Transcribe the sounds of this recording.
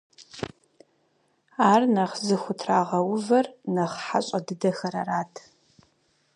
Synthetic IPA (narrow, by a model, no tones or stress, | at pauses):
aːrnɐχzɨxʷʊtʰraːʁɐwʊvɐrnɐχħaɕʼɐdɨdɐxɐɾɐ̰raːtʰ